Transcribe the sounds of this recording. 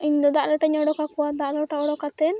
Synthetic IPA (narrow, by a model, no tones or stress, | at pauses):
ind̪ɔd̪aʔlɔʈaɲɔɽɔkakuwad̪aʔlɔʈaɔɽɔkat̪ɛn